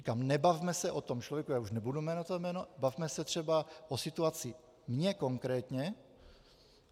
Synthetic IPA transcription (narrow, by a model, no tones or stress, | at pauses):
ikamnɛbavmɛsɛʔot̪omt͡ʃlovjɛkujaːuʃnɛbudumɛːnat̪omɛːnobavmɛsɛt̪r̥ɛbaʔosɪt̪uat͡sɪ | mɲɛko̞ŋkɾɛːt̪ɲɛ